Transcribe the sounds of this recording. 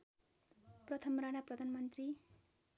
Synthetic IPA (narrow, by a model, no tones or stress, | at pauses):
prʌt̪ʰʌmranaprʌd̪ʱanmʌnt̪ri